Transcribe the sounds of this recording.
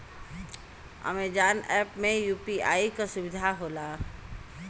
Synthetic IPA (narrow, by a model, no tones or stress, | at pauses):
ə̰meːd͡ʒaːnɛːpmẽjuːpiaːikasʊʋɪd̪ʱaɦoːlaː